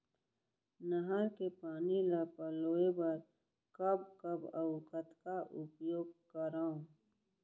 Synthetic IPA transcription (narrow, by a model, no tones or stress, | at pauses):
nəɦəɾkepaːnilapəloːebəɾ | kəbkəbəʊkət̪kaʔʊpjoːɡ̚kəɾaõ